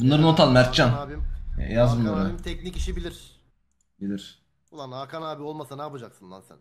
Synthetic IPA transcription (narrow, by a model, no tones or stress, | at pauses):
bunlˠaɾɯnot̪ʰalˠmæɾt̪̚t͡ʃanḭjazmɯlˠaɾɯmt̪ʰɛknicʲiʃibilʲiɾ̥ | bilʲiɾ̥ | ulˠanakʰanaːbio̞lˠmasanaːpad͡ʒaksɯnd̪ansɛ̰n